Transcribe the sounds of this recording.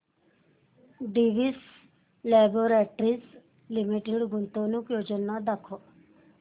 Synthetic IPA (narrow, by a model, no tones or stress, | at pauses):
ɖiʋis | lɛːboɾeʈɾis | limiʈeɖɡunt̪onukjoːd͡ʒənad̪ɐkʰo